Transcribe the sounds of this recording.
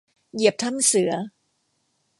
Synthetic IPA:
ji˨˩əp̚t̪ʰa˥˩msɯ˩˦ɐ

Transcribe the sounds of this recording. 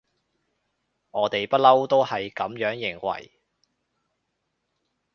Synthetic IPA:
ŋɔː˨˧t̪e˨jpɐ˥t̚lɐ˥wt̪o˥whɐ˨jkɐ˨˥mjœː˨˥ŋjɪ˨˩ŋwɐ̰˨˩j

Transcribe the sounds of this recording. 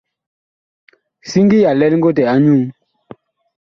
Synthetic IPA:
si˦ŋɡi˦ja˨lɛ˦lŋ˦ɡo˦t̬ɛ˨a˦ɲu˦˨ŋ

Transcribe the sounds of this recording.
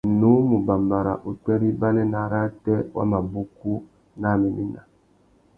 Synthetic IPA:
nu˦mu˨ba˨mba˨ɾa̰˨ʔu˨tɛ˦ɾi˦ba˦nɛ˦na˨˦ɾa˦tɛ˦wa̰˦ma˨bu˦ku˦ | na˦˨mi˨mḭ˦na̰˨

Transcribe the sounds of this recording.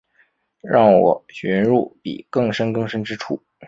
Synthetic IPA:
ɻɑ˥˩ŋwɔ̰˨˩ɕɥɛ˧˥nɻu˥˩pḭ˨˩kɤ˥˩ŋʂə˥nkɤ˥˧ŋʂə˥ŋʈ͡ʂɻ̩˥ʈ͡ʂʰu˥˩

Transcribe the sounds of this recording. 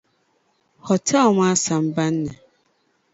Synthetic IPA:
hɔ˨tʰa˦ɔ˨m̃˦a˦sã˨m˦ba˦nː˦ɛ̰̃˨

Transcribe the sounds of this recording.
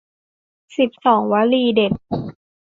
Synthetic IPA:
si˨˩p̚sɔː˩˦ŋwa˦˥liː˧de˨˩p̚

